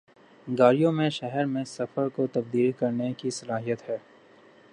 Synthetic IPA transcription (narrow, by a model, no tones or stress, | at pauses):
ɡaːɾijõmẽʃɛɦɛɾmẽsɐfəɾkot̪ɐb̚d̪iːlkɐɾnekisɐlaːɦijət̪ɦɛː